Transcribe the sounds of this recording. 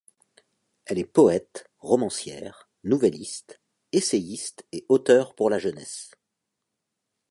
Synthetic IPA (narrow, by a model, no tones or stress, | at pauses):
ɛlɛpɔɛt̪ | ʁɔmɑ̃sjɛ̰ːʁ | nuvɛlist̪ | esejist̪eot̪œʁpuʁlaʒənɛs